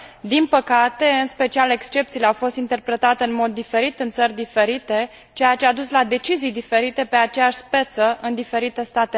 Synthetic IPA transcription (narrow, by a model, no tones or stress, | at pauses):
d̪inpəkat̪e̞ɨnspe̞t͡ʃiale̞kst͡ʃe̞p̚t̪sile̞awfo̞st̪int̪e̞rpɾe̞t̪at̪eɨnmo̞d̪ːife̞ɾit̪ɨnt̪sərʲd̪ife̞ɾit̪e̞ | t͡ʃe̞jat͡ʃead̪uslad̪e̞t͡ʃizijd̪ife̞ɾit̪e̞pe̞at͡ʃejaʃʲspe̞t̪səʔɨnd̪ife̞ɾit̪e̞st̪at̪e